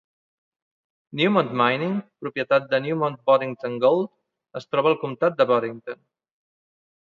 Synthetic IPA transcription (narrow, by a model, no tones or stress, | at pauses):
njumɔnt̪majniŋpɾupjət̪at̪̚d̪ənjumɔnt̪̚bɔɾiŋt̪oŋɡolˠd̪ | əst̪ɾɔβəːlˠkumt̪at̪̚d̪əβɔɾiŋt̪on